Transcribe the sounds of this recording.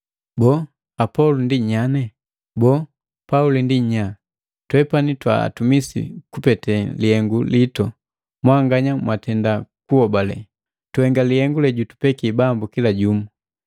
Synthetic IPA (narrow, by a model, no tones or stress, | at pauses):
bɔ | apɔlundiɲanɛ | bɔ | paulindiɲa | twɛpanitwa̰a̰tumisḭkupɛtɛlihɛŋɡulitɔ | mwaŋɡaɲamwatɛndakuhɔbalɛ̰ | tuhɛŋɡalihɛŋɡulɛɟutu̥pɛkibambukilaɟumu